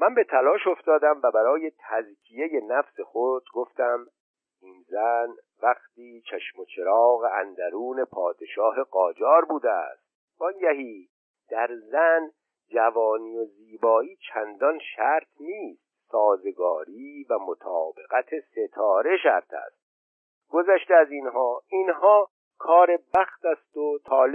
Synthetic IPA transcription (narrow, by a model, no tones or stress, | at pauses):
mænbe̞t̪ʰælɒːʃo̞ft̪ɒːd̪æmvæbæɾɒːje̞t̪ʰæzkʰije̞je̞næfsexod͡ʒ̪ɡo̞ft̪æm | ʔiːnzæn | væχt̪iːt͡ʃʰæʃmo̞t͡ʃʰeɾɒːɣeænd̪æɾuːne̞pʰɒːd̪e̞ʃɒːɦe̞ɡɒːd͡ʒɒːɾbuːd̪eæ̰st̪̚ | b̥ɒnjæɦiː | d̪̥æɾzæn | d͡ʒævɒːniːoziːbɒːiːt͡ʃʰænd̪ɒnʃæɾt̪ʰniːst̪̚sɒːze̞ɡɒːɾiːvæmo̞t̪ʰɒːbe̞ɣæt̪ʰese̞t̪ʰɒːɾe̞ʃæɾt̪ʰæ̰st̪̚ | ɡ̥ozæʃt̪eæzinɦɒːinhɒː | kʰɒːɾebæxt̪æst̪ot̪ʰɒːl